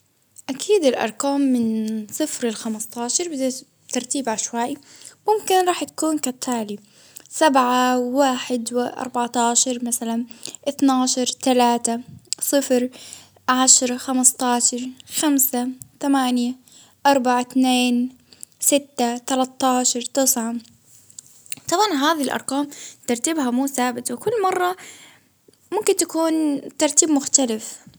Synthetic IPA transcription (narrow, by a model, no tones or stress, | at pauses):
ʔakʰiːd̪ɪlʔɑ̰ɾˤkaːmːɪnsˤɨfɾɪlxamɑst̪ˤɑːʃɑɾˤbɪd̪a | t̪ɑɾˤt̪iːbʕaʃwaːʔmʊmkɪnɾˤɑːħt̪ḁkuːnkat̪ʰːaːli | sabʕawaːħɪd̪wʔɑ̰ɾˤbaʕt̪ɑːʃɑɾˤmasalanʔɪθnaːʃɑɾˤt̪alaːt̪asˤɨfɾ | ʕaʃɾˤɑxamɪst̪ˤɑːʃɑɾˤxamsat̪amaːnja | ʔɑɾˤbaʕat̪neːn | sɪt̪ːat̪alat̪ˤːɑːʃɑɾˤt̪ɨsʕa | t̪ˤɑbʕɑnɦaːðilʔɑ̰ɾˤqɑːmt̪ɑɾˤt̪ɪbɦamuːθaːbɪt̪wɪkʊlːmɑrˤːɑ | mʊmkɪnt̪akuːnt̪ɑɾˤt̪iːbmʊxt̪alɪf